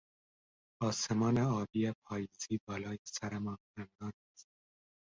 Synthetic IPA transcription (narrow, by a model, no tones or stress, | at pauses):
ɒːsemɒːneɒːbiːepʰɒːjiːziːbɒːlɒːjesæɾæmɒːnænd̪ɒːnæst̪̚